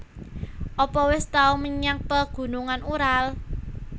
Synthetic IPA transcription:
ʔɔpɔwɪst̪auməɲak̚pəɡ̥ṳnuŋanuɾal

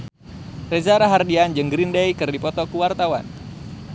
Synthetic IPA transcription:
rezaɾaɦardiand͡ʒəŋɡɾindɛjkɨrdipɔt̪ɔkuwart̪awan

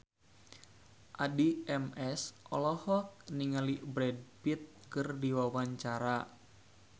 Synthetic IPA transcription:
ʔadiɛmɛsʔɔlɔhɔk̚niŋalibɾɛd̚pit̪̚kɨrdiwawaɲt͡ʃaɾa

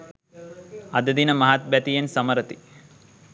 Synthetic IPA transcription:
ɐd̪ɐd̪inɐmɐɦat̪̚bɐt̪ijɐnsɐmɐɾɐt̪i̥

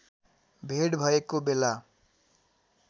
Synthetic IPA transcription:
bʱeɽbʱʌekobela

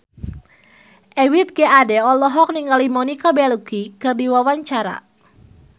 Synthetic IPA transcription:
ʔɛwit̪̚ɡɛadɛɔlɔɦɔk̚niŋalimɔnikabɛlukikɨrdiwawaɲt͡ʃaɾa̰

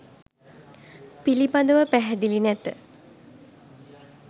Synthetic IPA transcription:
pilipad̪əʋəpæɦɛd̪ilinɛt̪ə̰

